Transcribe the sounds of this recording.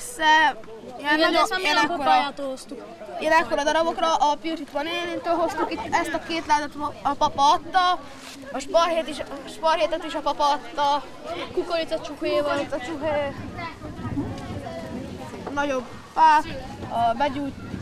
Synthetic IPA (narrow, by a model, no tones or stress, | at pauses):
sɛ | jɛɛjɛnɛkːoɾat̪oɦost̪uk | jɛnɛkːo̞ɾɒd̪ɒɾɒbo̞krɒʔːpiot͡ʃit̪ʋɒneːniːnt̪øːlɦo̞st̪ukit̪ːɛst̪ɒkeːt̪laːt̪ɛt̪ɒpɒpɒɒt̪ːɒ | ɒʃpɔrheːt̪iʃʃpɒrheːt̪ɛt̪iʃɒpɒpɒːt̪ːɒ | kukoɾit̪ɔt͡ʃuheːvɒit̪ɒt͡ʃuɦeː | nɒɟo̞b | faːk | ɒbɛɟuːt̪